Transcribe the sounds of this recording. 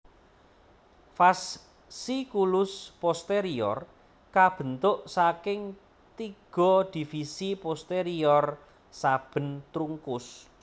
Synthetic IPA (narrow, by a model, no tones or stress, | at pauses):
fas | sikulʊspɔst̪eɾiɔ̰r | kab̥ə̤nt̪ʊʔsakɪŋ | t̪iɡ̥ɔ̤d̪̥i̤fisipɔst̪eɾiɔr | sab̥ə̤nt̪ɾuŋkʊs